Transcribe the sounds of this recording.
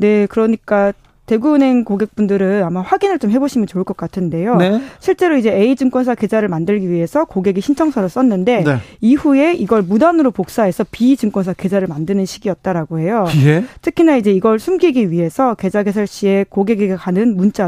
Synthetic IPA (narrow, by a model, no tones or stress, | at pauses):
ne̞kɯɾʌɲik͈a | te̞ɡune̞nkoɡe̞k̚p͈undɯɾɯnamaɸwaɡinɯɭt͡ɕomhe̞boɕʰimjʌnt͡ɕoɯɭk͈ʌk͈atʰɯnde̞jonɕʰiɭt͡ɕ͈e̞ɾoid͡ʑe̞eid͡ʑɯŋk͈wʌns̬ʰake̞d͡ʑaɾɯɭmandɯɭɡiɥiɦe̞sʰʌkoɡe̞ɡiɕʰint͡ɕʰʌŋsʰʌnɯɭs͈ʌnːɯnde̞niɸue̞iɡʌɭmudanɯɾopok̚s͈ae̞sʰʌpid͡ʑɯŋk͈ʌnsʰake̞d͡ʑaɾɯɭmandɯnɯnɕʰiɡiʌt̚t͈aɾaɡoɦe̞jotʰɯkʰinanid͡ʑe̞iɡʌɭsʰumɡiɡiɥiɦe̞sʰʌke̞d͡ʑaɡe̞sʰaɭɕ͈ie̞koɡe̞ɡiɡekanɯnmunt͡ɕ͈a